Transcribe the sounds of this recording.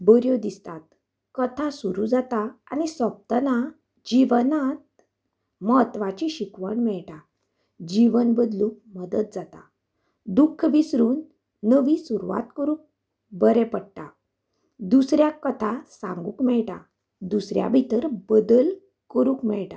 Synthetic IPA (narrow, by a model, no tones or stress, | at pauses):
bəɾjod̪ist̪at̪̚ | kət̪ʰasuɾud͡zat̪aːnisəp̚t̪əna | d͡ʑiʋnat̪̚ | məɦt̪ʋat͡ɕiɕikʋəɳmɛɭʈa | d͡ʑiʋənbəd̪lũk̚məd̪ət̪̚d͡zat̪a̰ | d̪ukʰːʋisɾuːnː | əʋĩsuɾʋa̰t̪kəɾũːk̚ | bəɾɛpəɽʈa̰ | d̪usɾjakːət̪ʰasã̰ŋɡṵːkmɛɭʈa̰ | d̪usɾja̰bʱit̪əɾbəd̪əl | kəɾũːkmɛɭʈa